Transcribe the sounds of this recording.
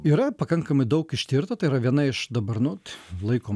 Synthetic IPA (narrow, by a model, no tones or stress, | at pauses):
iːɾɐpɐkɐŋkɐmɐɪd̪ɐʊkɪʃʲt̪ʲiɾt̪ɐt̪ɐɪiːɾɐʋʲiɛnɐɪʃd̪ɐbɐɾnʊt̪lˠɐɪkoː